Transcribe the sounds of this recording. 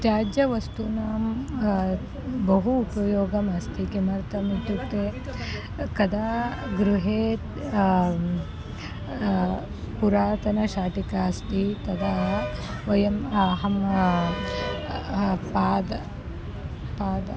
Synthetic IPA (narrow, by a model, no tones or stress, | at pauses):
t̪jaːd͡ʒɐʋɐst̪unaːm | bɐɦuːpɐjoːɡɐmɐst̪ʰikemɐɾt̪ɐmit̪ut̪ːeː | kɐd̪aːɡɾuɦeːt̪ | puɾaːt̪ɐnɐʃaːʈikaːst̪it̪ɐd̪aː | ʋɐjɐmɦɐm | paːd̪ɐ | paːd̪ɐ